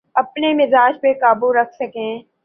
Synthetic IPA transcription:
ɐpnemɪzaːd͡ʒpekaːbuɾɐkʰsɐkẽː

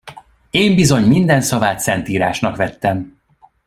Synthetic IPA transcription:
eːmbizo̞ɲmind̪ɛnsɒvaːt̪sɛnt̪iːɾaːʃnɒkʋɛt̪ːɛm

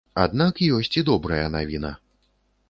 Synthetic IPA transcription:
a̰d̪̚nakjɔsʲt͡sʲid̪ɔbɾɐjɐnavʲinɐ̰

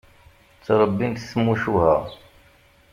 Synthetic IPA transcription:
t͡sːɾˤəbːint̪θmuʃuhæ̰ʁ

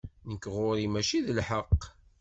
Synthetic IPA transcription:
nəkːʁʊɾimæʃiðəlħəqː

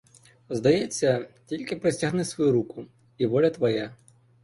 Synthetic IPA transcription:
zd̪ɐjɛt͡sʲːɐtʲilʲkʲɪpɾɪsʲtʲɐɦnɪsʋɔjuɾukʊ | iʋɔlʲɐt̪ʋɐja

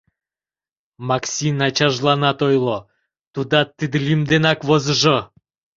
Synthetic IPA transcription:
mɑksʲinɑt͡ɕɑʒlˠɑnɑt̪ojlˠo | t̪ud̪ɑt̪ːid̪əlimd̪enɑkβozəʒo

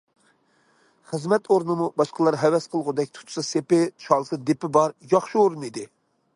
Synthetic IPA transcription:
χəzmɛt̪ʰoɾnɨmubɑʃqəlˠɑɾɦɛwɛsqʰəlˠʁʊd̪ɛk̚ʲt̪ʰu̥t̪ʰʊ̥sɨsepɪt͡ʃʰɑlˠsɨd̪epɪbɑɾjɑχʃioɾunid̪ɪ

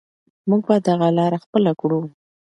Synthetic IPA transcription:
muɡ̚bad̪ːaɣalɑɾaxpəlakɽu

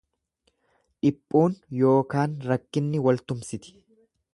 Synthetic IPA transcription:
ᶑɪpʼːuːnjo̞ːkaːnɾɐkːɪnːɪwɐlt̪ʊmsɪt̪ɪ̥

